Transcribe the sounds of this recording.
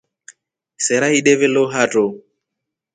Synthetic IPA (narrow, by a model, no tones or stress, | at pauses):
sɛɾaiɗɛβɛloɦatʼo